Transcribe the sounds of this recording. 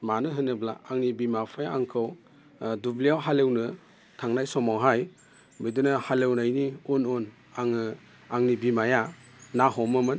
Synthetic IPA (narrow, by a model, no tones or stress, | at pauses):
manɯɦɯnɯbla̰aŋnibimapʰajaaŋkʰɯw | dublijawɦalewnɯ | tʰaŋnajsɔmawɦaj | bɯjdɯnɯhalewnajniunun | aŋɯ | aŋnibimajanaɦɔmɯmɯn